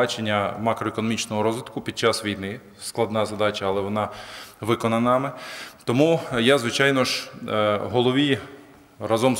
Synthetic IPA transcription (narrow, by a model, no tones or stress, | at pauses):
ɑt͡ʃenʲːɐmɑkɾɔekɔnɔmʲit͡ʃnɔɦɔɾɔzʋɪt̪kʊpʲid̪̚t͡ʃasʋʲijnɪ | sklˠɐd̪nɑzɐd̪ɑt͡ʃɐːlˠɛʋɔnɑʋɪkɔnɐnɑmɪt̪ɔmujazʋɪt͡ʃɑjnɔʒ | ɦɔlˠɔʋʲi | razɔm